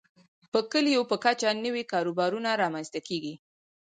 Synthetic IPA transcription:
pəkəlijopəkat͡ʃanəwikɑɾobɑɾunaɾɑmanst̪akeɡi

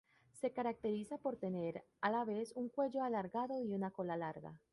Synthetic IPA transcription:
se̞kaɾak̚t̪e̞ɾisapo̞ɾt̪e̞ne̞ɾ | alaβe̞suŋkwe̞ʝo̞alaɾɣaðo̞iunako̞lalaɾɣa̰

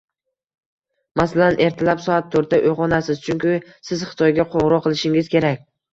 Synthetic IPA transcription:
masalanʔe̞ɾt̪ʰɪlapsɒat̪ʰːoɾt̪aʔoʁɒnasɪzt͡ʃʰʊŋkʲɪ | sɪzχɨ̥t̪ʰɒjɡʲaqʰoɴɾɒqʰɨlˠɪʃɪŋɪz̥kʲʰe̞ɾakʲ

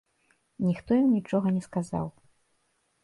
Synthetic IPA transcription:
nʲixt̪ɔjɐmnʲit͡ʂɔɣɐnʲɛskaza̰w

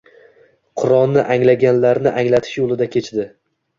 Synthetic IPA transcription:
qʰʊɾɒnnːɪʔaŋlaɡʲanlaɾnɪʔaŋlat̪ʰɪ̥ʃjolˠɪd̪akʲʰe̞t͡ʃd̪ɪ

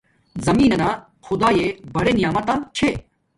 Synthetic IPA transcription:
zɐmiːnɐnaː | xʊd̪aːjeːbʱɐɽeːnɪjaːmɐt̪ãːt͡ʃʰeː

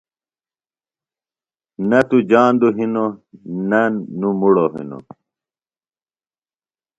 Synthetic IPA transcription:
nɐt̪ud͡ʑaːnd̪uɦinonɐnːumuɽoɦḭno̰

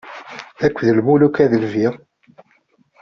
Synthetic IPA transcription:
ækʷːðəlmulukæðəlviʁ

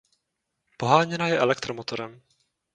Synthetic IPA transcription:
poɦaːɲɛnajɛʔɛlɛk̚t̪ɾomot̪o̞ɾɛm

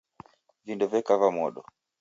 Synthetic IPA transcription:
vindɔvɛkavamɔɗɔ

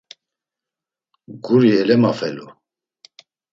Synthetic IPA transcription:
ɡuɾiɛlɛmafɛlu

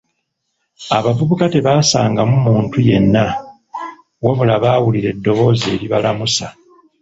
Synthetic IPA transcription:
aβavuβukate̞βaːsaːŋɡamumuːntuje̞nːa | waβulaβaːwuliɾe̞dːo̞βo̞ːze̞̰ːɾiβalamusa

